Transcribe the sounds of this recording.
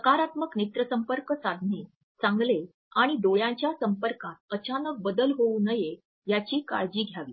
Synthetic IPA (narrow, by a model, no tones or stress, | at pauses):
səkaɾat̪məknit̪ɾəsəmpəɾkəsad̪ʱniː | sãŋɡle | aɽ̃id̪ojãɲt͡ɕjasəmpəɾkat̪̚ət͡ɕanək̚bəd̪əlɦouːnəje | jat͡ɕiːka̰ɭd͡ʑiːɡʱjaʋḭː